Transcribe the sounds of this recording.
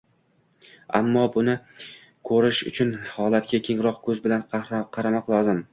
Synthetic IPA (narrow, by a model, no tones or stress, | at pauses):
a̰mːɒbʊnɪ | kʰɵɾɪʃʊ̰t͡ʃʰʊnhɒlat̪̚kʲakʲʰe̞ŋɾɒqkʰɵzbɪlanqʰɑɾamɒqlˠɒzɪm